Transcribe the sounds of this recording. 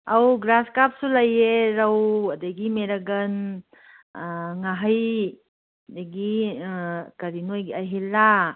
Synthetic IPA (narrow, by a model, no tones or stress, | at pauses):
awɡɾaskap̚sulɐjeɾɐwɐdaɡimeɾaɡɐn | ŋaɦaj | daɡi | kaɾinojɡiajɦelːa